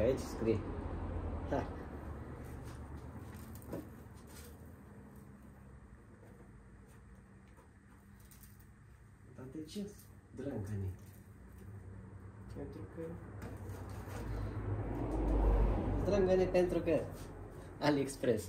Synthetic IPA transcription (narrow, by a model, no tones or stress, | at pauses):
ait͡ʃskɾi | ha | t̪at̪et͡ʃe | d̪ɾəŋɡanʲe | pent̪ɾukə | d̪ɾəŋɡənepent̪ɾukə | alʲekspɾes